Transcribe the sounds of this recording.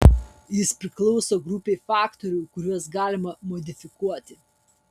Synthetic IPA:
jɪspʲɾʲɪklˠɔʊsoːɡɾʊpʲeːfɑːkt̪ɔɾʲʊkʊɾʲuɔs̬ɡɑːlʲɪmɐmɔd̪ʲɪfʲɪkuɔt̪ʲɪ

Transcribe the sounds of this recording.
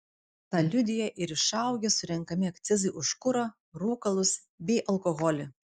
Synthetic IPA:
t̪ɑlʲʊd̪ʲɪjɛʔɪɾɪʃɐˑʊɡʲɛsʊɾʲɛŋkɐmʲɪɐkt̪sʲɪzɐɪʔʊʃkʊɾɐ | ɾuːkɐlˠʊs | bʲɛɪʔɐlˠkɔɣɔlʲɪ

